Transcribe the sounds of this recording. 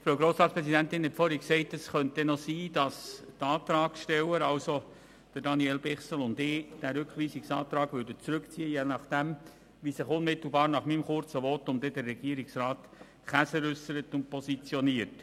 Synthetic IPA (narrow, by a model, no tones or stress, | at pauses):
fɾoːwɡɾoːsɾɑːt̪spɾɛsidæntɪnhɛtfɔɾiksɛɪtəsχœntɛnosiːd̥ɑstɑːt̪ɾɑːɡ̥ʃtɛwəɾɑlso | d̥ədɑniɛlbɪχsəl̩ʊndɪd̥æɾʉkʰʋiːsiksɑːt̪ɾɑːɡʋʏɾdət͡sɾʉkt͡siːəjeːnɑχd̥ɛm | ʋisɪχʊnmɪt̪l̩ˠbɑːɾnɑχmimχʊrt͡səʋɔt̪ʊmd̥ɛdɛɾːɛɡ̥iəɾiksrɑːt | χæsəɾʏsəɾətʊnt̚pʰɔsit͡sjɔniəɾt